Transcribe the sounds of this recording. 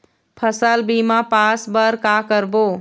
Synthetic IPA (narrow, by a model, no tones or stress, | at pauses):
pʰəsəlbimãpasbəɾkakəɾbo